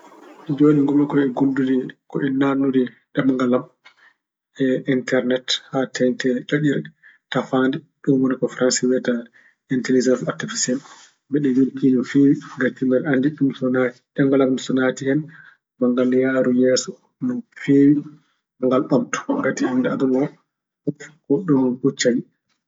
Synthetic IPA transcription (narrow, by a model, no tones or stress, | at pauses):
d͡ʒoːniŋɡɔmɔkɔɛɡundudikɔʔɛnanːudi | ɗɛmŋɡalam | ɛintɛɾnɛthatɛntɛɗaɗiɾɛtafandɛ | ɗunwɔnikɔfɾansiwɛta | intelid͡ʒansaɾtifisɛn | bɛɗɛjulkinɔfewiɡatːimbɛɾandiɗumsɔnati̥ɗɛŋɡalamsɔnatihɛn | maŋɡaljaːɾujɛsɔ | nɔnfewi | maŋɡalɓɔmtɔ̥ɡatihɛndɛadunɔ | ɔfkɔɗɔnkut͡ʃːaɲi